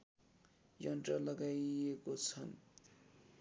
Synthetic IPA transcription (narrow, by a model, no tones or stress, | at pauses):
jʌnʈrʌlʌɡajekot͡sʰʌn